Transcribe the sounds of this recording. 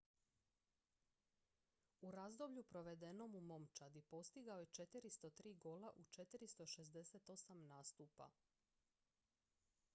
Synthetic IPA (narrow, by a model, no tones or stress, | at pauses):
uɾazd̪o̞bʎupɾo̞ʋe̞d̪e̞no̞mumo̞mt͡ʃad̪ipo̞st̪iɡaoje̞t͡ʃe̞t̪iɾist̪o̞t̪ɾiːɡo̞laʔut͡ʃe̞t̪iɾist̪o̞ʃe̞zd̪e̞set̪o̞samnaːst̪uːpa̰